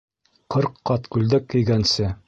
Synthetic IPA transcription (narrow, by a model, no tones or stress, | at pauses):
qɤɾqːɑt̪kʉld̪ɘkːɘ̆jɡænsɘ